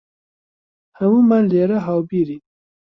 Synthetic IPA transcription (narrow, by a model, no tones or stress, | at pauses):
hawumanleɾaɦɑwbiɾi